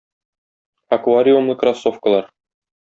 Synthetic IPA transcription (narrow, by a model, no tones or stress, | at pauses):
ɐkvaɾʲiumlnɤkrɐsːofkəlˠɑɾ